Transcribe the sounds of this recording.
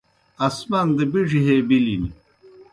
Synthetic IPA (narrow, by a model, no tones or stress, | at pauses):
ɐsmɐnd̪əbiʐiɦeːbilini